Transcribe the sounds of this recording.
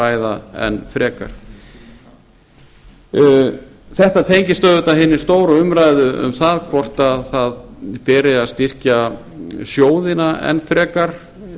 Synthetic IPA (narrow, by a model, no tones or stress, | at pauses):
aːjðaɛ̰nːfɾɛːka̰ɾ̥ | θɛht̪at̪ʰejɲcɪst̪œːðʏt̪aɦɪnːɪɾ̥st̪oːwɾaʏmɾaːjðʏʔʏ̰mθaðkʰvɔr̥t̪aðθaðpɛːɾɪaðst̪ir̥ca | sjoːwðɪnaɛ̰nfɾɛːkaɾ̥